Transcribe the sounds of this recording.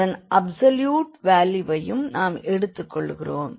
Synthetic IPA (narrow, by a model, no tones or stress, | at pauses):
ɐnʔɐbsɐljuːʈʋaːljɯʋɐjɯmnaːmɛɽɯt̪ːɯkːɔɭːɣɪroːm